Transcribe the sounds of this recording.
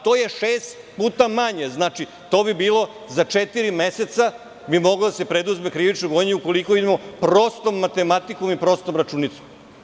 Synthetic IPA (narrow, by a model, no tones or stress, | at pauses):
t̪o̞ːje̞ʃeːst̪ | puːt̪amaɲeznat͡ʃi | t̪o̞ːbibiːlˠo̞ | zat͡ʂet̪iɾime̞se̞t̪sa | bimo̞ɡlod̪asepɾed̪uzmekɾiʋit͡ʃnoɡoɲeuko̞likoid̪emopɾost̪o̞mːat̪e̞mat̪iko̞mipɾo̞st̪omɾat͡ʃuːnit̪som